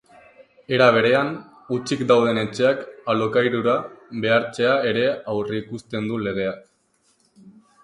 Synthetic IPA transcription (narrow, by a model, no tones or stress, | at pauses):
e̞ɾaβ̞e̞ɾe̞an | ut͡ʃikd̪awð̞e̞ne̞t͡ʃe̞akalokajɾuɾaβe̞aɾt͡ʃe̞ae̞ɾe̞awriikust̪e̞nd̪ule̞ɣ̞e̞ak